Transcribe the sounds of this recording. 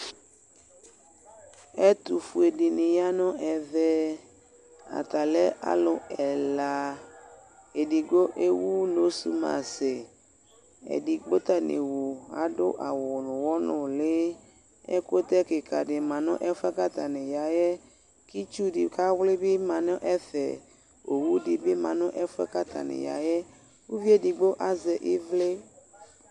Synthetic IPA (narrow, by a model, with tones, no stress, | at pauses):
ɛ˦t̪u˨fu˨e˨dɪ˨nɪ˨ja˦nɔ̃˦ʔɛ˨ðɛ˦ | a̰˨t̪a˨lɛ˦ʔa̰˦lʊ˨ɛ˨la˨ | e˨di˨ɡo˦ʔe˦wu˦lo˨˦sṵ˦mã̰˨sɪ˨ | ɛ̰˨di˨ɡ͡bo˦t̪a˦nɪ̰˨wo˨a̰˨dʊ̰˦ʔa˨wʊ˨nʊ̃˨wɔ˦nʊ̃˨le˦ | ḛ˦ko˦t̪ɛ˦ke˨ka˨ɖɪ˨mã˨nʊ̰̃˦ʔɛ˦fɛ˦ka˦t̪a˨nẽ˨ja˨jɛ˦ | ki˦t͡ʃu˦di˨ka˦wle˦be˦mã˨nɔ̃˦ʔɛ˦θɛ̰˨ | o˨wu˦di˨be˦mã˨nʊ̃˦ʔɛ˦fɛ̰˦ka˦t̪a̰˨nḛ˨ja̰˨jɛ˦ | wu˦vi˦e˦di˨ɡ͡bo˦ʔa˦zɛ˨ʔe˦vle˦